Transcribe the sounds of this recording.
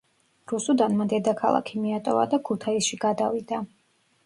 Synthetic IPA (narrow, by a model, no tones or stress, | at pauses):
ɾusud̪anmad̪ɛd̪akʰalˠa̰kʰimiat̪ʼɔva̰d̪akʰut̪ʰaisʃiɡad̪avid̪a